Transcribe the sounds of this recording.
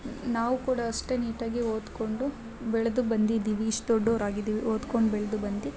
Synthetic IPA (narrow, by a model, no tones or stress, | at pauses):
naːʋukuːɽɐɐʂʈeniːʈaːɡioːd̪ko̞ɳɖu | bɛɭɐd̪ubɐnd̪id̪iːʋiːʂʈ̪oɖːoːɾaːɡid̪iːʋioːd̪koɳɖbɛɭɐd̪ubɐnd̪i